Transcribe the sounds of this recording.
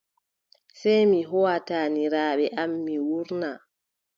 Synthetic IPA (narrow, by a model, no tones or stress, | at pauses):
sɛjmiɦɔwataːniɾaːɓɛʔamːiwuɾna